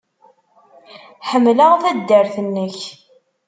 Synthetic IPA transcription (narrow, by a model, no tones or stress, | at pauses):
ħəmːləʁθæd̪ːəɾθənːəç